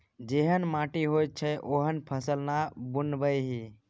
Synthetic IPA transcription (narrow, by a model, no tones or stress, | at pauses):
d͡ʒeɦənmãʈiɦojt̪̚t͡ʃʰəʔoɦənpʰəsəlnabunbəjɦi